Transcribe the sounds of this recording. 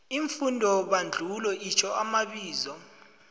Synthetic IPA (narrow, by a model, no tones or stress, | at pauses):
iɱfundʱɔɓand͡ɮʱulɔʔit͡ʃʰɔamaɓiːzɔ